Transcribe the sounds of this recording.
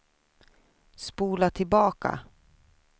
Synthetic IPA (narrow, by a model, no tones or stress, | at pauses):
spuːlat̪ʰɪlbɑːka̰